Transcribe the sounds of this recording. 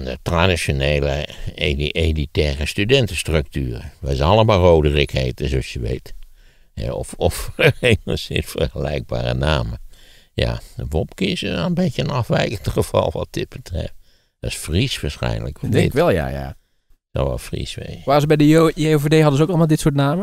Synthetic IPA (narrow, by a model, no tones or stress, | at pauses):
ndətradisjoneːləeielitɛːrəstydɛntəstrøk̚tyːrəʋɛzɑlˠəmalˠroːdərɪkheːtəzoɑsjəʋḛjt | hɛ̰ɔ̰fɔfəemə̰sɪ̰nfərxəlɛ̰jɡ̚ba̰ːrə̰naːməja̰ʋɔp̚kɪsəənbeəənɑfʋɛjkəntχəv̥ɑ̰lˠʋɑt̚d̥ɪt̚b̥ətrɛ̰ft | d̥ɑsfrisʋaːɹsxɛ̰jnlə̰kʋɔdɛŋɪtɛlˠja̰ja̰ | so̰ʋɛ̰lˠfrḭsʋḛʋaːəzəbɛjdeovedeɦɑdəzəowkɑlˠmalˠdɪtsʊːtnaːmə